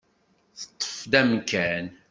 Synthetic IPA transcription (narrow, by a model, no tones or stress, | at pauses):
θə̥t̪ˤːə̥fd̪æmkæn